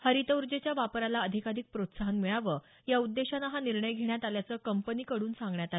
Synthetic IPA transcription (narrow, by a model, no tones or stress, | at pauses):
həɾit̪əwɾd͡ʑet͡ɕjaʋapɾalaəd̪ʱikaɾik̚pɾot̪saɦənmiɭaʋə | jaud̪ːeɕanaɦaniɾɳəjɡʱeɳjat̪aljat͡səːkəmpəniːkəɽuːnsãŋɡɳjat̪a